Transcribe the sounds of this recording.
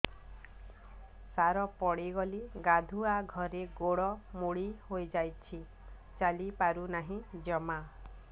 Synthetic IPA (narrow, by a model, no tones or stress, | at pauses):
saɾɔpɔɽiɡɔliɡad̪ʱuaɡʱɔɾeɡoɽɔmoɽihojd͡ʒajt͡ʃʰi | t͡ʃalipaɾunaɦĩd͡ʒɔma